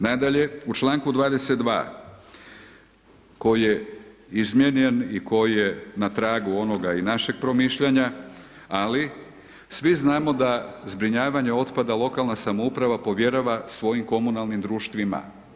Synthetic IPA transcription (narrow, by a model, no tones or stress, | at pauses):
nad̪aʎe̞ut͡ʃlˠaːŋkud̪ʋaːd̪e̞set̪d̪ʋa̰ː | ko̞jije̞izmjeɲe̞niko̞jije̞nat̪ɾaːɡuo̞no̞ɡainaʃeɡ̥̚pɾo̞miʃʎaɲa | ali | sʋiznaːmo̞d̪azbɾiɲaːʋaɲe̞o̞t̪pad̪alˠo̞kalˠnasamoupɾaʋapo̞ʋje̞ɾaʋasʋo̞jimko̞munalnimd̪ɾuːʃt̪ʋima̰